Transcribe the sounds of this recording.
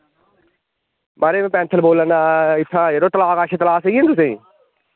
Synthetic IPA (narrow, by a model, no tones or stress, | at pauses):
maɾemẽpɛ̃ːnt̪ʰəlboːlənaːɪt̪ʰãːeɾoːt̪ɐlaːkaːʃʰet̪ɐlaːseiːɦent̪usẽː